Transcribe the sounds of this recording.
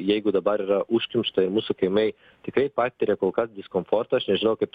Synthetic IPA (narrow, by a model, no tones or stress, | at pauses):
jɛjɡʊd̪ɐbɐɾiɾaʔuʃʲkʲɪmʲʃt̪ɐɪɾmusʊkɐjmʲɛj | t̪ʲɪkɾɐjpat̪ʲt̪ʲːɪɾʲɛkolˠkɐsd̪ʲɪskomfoɾt̪ɐɐʃnʲɛʒʲɪnɐwkɐp̪